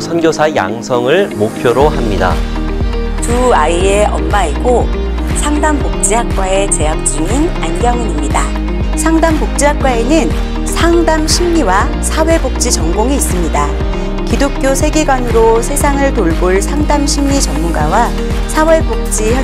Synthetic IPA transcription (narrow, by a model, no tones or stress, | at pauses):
sʰʌnɡjosʰaja̰ŋsʰʌŋɯɭmopʰjoɾohamɲida̰ | tuaie̞ʌ̰mmaiɡo | sʰaŋdampok̚t͡ɕ͈iɦak̚k͈wae̞t͡ɕe̞ɦak̚t͡ɕ͈iŋin | anɡjʌŋɯnimɲida | sʰaŋdampok̚t͡ɕ͈iɦak̚k͈waenɯn | sʰaŋdamɕʰimɲiwa | sʰawe̞bok̚t͡ɕ͈it͡ɕʌŋɡoŋeis͈ɯmɲida | kidok̚k͈josʰe̞ɡeɡwanɯɾosʰe̞sʰaŋɯɭtoɭboɭsʰaŋdamɕʰimɲit͡ɕʌŋmuɡawa | sʰawe̞bok̚t͡ɕ͈iʌ